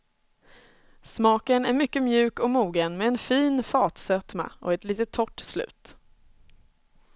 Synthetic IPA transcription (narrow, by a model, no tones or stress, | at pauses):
smɑːkənæɾmʏkːəmjʉ̟ːkɔmuːɡənmɛɛnfiːnfɑːt̪sœt̪ma̰ʔɔ̰ɛt̪liːt̪ət̪ʰːɔʈːslʉ̟̰ːt̪